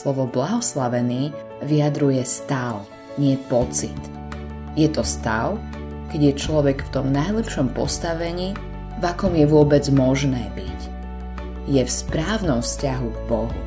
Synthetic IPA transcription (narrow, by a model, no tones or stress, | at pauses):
slɔʋɔblaɦɔslaʋɛniː | ʋiad̪ɾujɛst̪aʊ | ɲɪɛpɔt͡sit̪ | jɛt̪ɔst̪aʊ | kɛɟjɛt͡ʃlɔʋɛkft̪ɔmnajlɛpʃɔmpɔ̰st̪aʋɛɲiː | vakɔmjɛʋʊɔbɛd͡zmɔʒnɛːbic | jɛfspɾaːʊnɔmfscaɦuɡbɔɦṵ